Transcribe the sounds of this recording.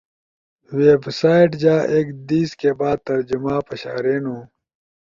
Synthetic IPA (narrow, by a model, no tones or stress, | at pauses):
weːbsaːiʈd͡ʑaːʔeːkd̪iːskeːbaːd̪̚t̪ɐɾd͡ʑumãːpɐɕaːɾeːnũː